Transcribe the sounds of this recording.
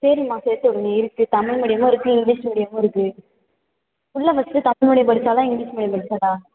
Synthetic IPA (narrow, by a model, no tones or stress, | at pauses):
sɛɾimãːseːɾt̪ɔɽɯŋɡɐɪɾɯkːɯt̪ɐmɪɭmɛɽɪjɐmoːɪɾɯkːɯɪŋɡliːʂmɛɽɪjɐmoːɪɾɯkːɯ | ʊɭːɐʋɐst̪ːɯt̪ɐmɪɭmɐɽɪjɐpɐɾsaːlãːɪŋɡliːsmɛɽɪjɐpɐɽɯsaːlaː